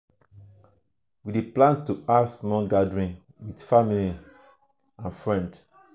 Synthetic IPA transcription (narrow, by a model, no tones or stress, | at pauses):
wideplãntuasmɔlɡadɹĩn | widfamili | ãnfɹɛ̃nd